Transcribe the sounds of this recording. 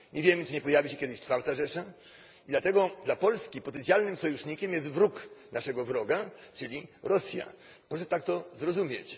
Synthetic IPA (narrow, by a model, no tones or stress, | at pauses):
ɲɛvʲjɛmɘt͡ʂɘɲɛpɔjavʲiɕɛkʲjɛd̪ɘɕt͡ʂfaɾt̪aʐɛʂa | id̪lat̪ɛɡɔd̪lapɔlskʲipɔt̪ɛnt̪sʲjalnɘmsɔjuʂɲikʲɛmjɛst̪vɾuknaʂɛɡɔvɾɔɡat͡ʂɘlʲiɾɔsʲja̰ | pɾɔʂɛt̪ak̚t̪ɔzɾɔzumʲjet͡ɕ